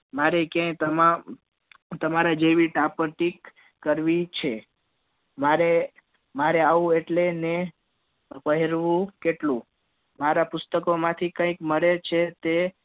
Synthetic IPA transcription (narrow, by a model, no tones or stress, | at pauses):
maɾekjãjt̪əma | t̪əmaɾad͡ʒeʋiʈapəɾʈik | kːəɾʋit͡ʃʰe | maɾe | maɾeaʋũeʈlene | pəɦeɾʋũkeʈlũ | maɾapʊst̪əkomãt̪ʰikə̃ikməɭet͡ʃʰet̪e